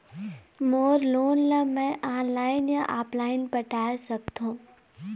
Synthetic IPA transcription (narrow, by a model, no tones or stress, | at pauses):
moːɾloːnlɐmɛ̃ʔaːnlaːɪnjãʔaːplaːɪnpɐʈaːesɐk̚t̪ʰũː